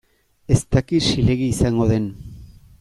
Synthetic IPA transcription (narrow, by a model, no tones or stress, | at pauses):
e̞st̪akiʃile̞ɣiːsaŋɡo̞ðe̞n